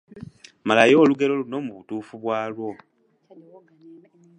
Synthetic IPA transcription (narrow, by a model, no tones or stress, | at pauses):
malajo̞ːluɡe̞lo̞luno̞muβutuːfuβwaːlwo̞